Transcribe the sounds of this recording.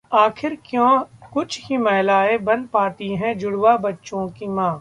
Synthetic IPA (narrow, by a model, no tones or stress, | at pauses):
aːkʰɪɾkjõːkʊt͡ʃʰkimɛɦlaːebɐ̃nd̪̚paːt̪iɦɛ̃d͡ʒʊɽwabɐtːʃõkimãː